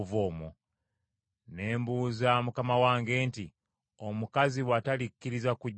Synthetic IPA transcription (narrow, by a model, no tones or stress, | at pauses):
voːmu | ne̞ːmbuːzamukamawaːŋɡe̞ːnti | o̞mukaziwatalikːiɾizaku